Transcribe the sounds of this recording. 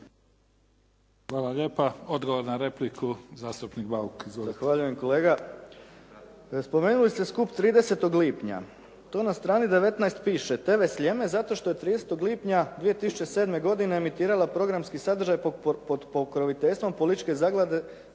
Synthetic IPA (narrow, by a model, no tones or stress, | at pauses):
xʋaːlˠaʎeːpaod̪ɡoʋoɾnaɾeplikʰuzaːst̪upnikbaukzzaxʋaʎuje̞mko̞le̞ːɡa | spo̞me̞ːnulist̪eskupt̪ɾiːd̪e̞se̞t̪o̞ɡliːpɲa̰ | t̪o̞ːnast̪ɾaːnid̪e̞ʋe̞t̪najst̪piːʃet̪e̞ːʋe̞sʎe̞me̞zat̪o̞ʃt̪o̞je̞t̪ɾiːd̪eset̪oɡlˠiːpɲad̪ʋije̞t̪isu̥t͡ʃe̞seːd̪me̞ɡo̞d̪ineːmit̪iːɾalapɾo̞ɡɾamskisad̪ɾr̩ʒajpod̪pokɾoʋit̪e̞ʎʲst̪ʋo̞mpolit̪it͡ʃke̞zaɡlˠad̪e̞